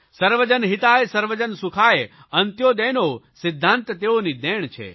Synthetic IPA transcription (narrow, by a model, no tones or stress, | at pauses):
səɾʋəd͡ʒənɦit̪aesəɾʋəd͡ʒənsukʰae | ɐnt̪jod̪ɛnosɪd̪ʱːãnt̪t̪eonid̪ɛɳ̃t͡ʃʰḛ